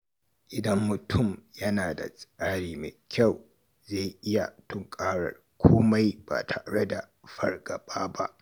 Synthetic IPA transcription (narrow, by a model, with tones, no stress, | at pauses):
ʔɪ˨dɐ˦mːʊ˨tʰʊ˦˨mjɐ˦naː˨da̰˨sʼaː˦ɽiː˦me˨kʲa˦˨w | zeː˦˨jʔɪ˦ja˨tʊ˦ŋkʼaː˦ɽɐ̰˨r | kʰʷoː˦ma˦jba̰ː˨tʰa˨ɽe˦da˨ | ɸɐ˨rɡɐ˨baː˦ba˦ʔ